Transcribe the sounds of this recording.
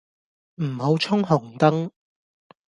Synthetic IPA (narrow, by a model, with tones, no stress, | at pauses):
m̩˨˩ho˨˥wt͡sʰʊ˥ŋɦʊ˨˩ŋt̪ɐ˥ŋ